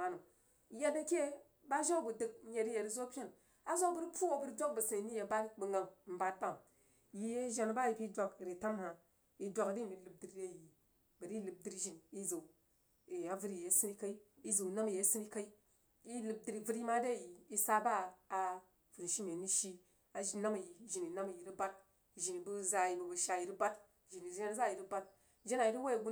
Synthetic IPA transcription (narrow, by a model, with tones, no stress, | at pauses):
a˨nu˨˦ | je˦de˦kʲe˦ | ba˦ʒa˦bu˨dɨ˨k̚ɲe˨ɾi˦je˨ɾi˨zo˦pʲa˦n | a˦zo˦bə˦ɾpu˦wo˦bu˦ɾdʷo˦k̚bu˨si˨ni˨ni˦je˨˦ba˦bu˨ŋɡa˨mm̩˦ba˦tba˦m | ji˦je˦ʒa˦n˨ba˦ji˨pi˦dʷa˨kɾi˨ta˦mha˨ | i˨dʷa˦kɾi˦˨mi˨˦lɨ˨b̚di˨ɾde˦˨ji˨ | bə˨ɾi˦lɨ˨b̚di˦ɾʒi˨ni˦zo˨ | e˨a˨vɨ˦ɾi˨je˨˦si˦ni˦ka˦i˦i˦zo˨na˦m˨je˨˦si˦ni˦ka˦i˦ | i˦lɨ˨b̚di˨ɾi˨vɨ˦ɾi˦ma˦de˦˨ji˨i˦sa˦baː˦˨ | vu˨ɾʃi˦me˨ni˦ʃi˦ | a˨ʒi˦na˦ma˨ji˨ʒi˨ni˨na˦ma˨ji˨ɾi˦ba˦t̚ | ʒi˨ni˨bu˦za˦ji˨bu˨bu˨ʃa˨ji˨ɾi˦ba˦t | ʒi˨ni˨ʒa˦n˦za˦˨ji˨ɾi˦ba˦t̚ | ʒe˦na˨ji˨ɾi˦wa˦ji˨ɡu˦